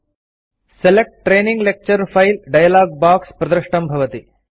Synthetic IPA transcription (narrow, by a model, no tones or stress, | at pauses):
selek̚ʈʈɾeːniŋɡlek̚t͡ʃɐɾfɐjlɖɐjɐlaːɡ̚baːkspɾɐd̪ɾɨʂʈɐmbʱɐʋɐt̪i